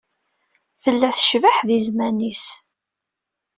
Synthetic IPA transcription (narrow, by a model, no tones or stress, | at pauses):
θəlːæθəʃvəħðizmænis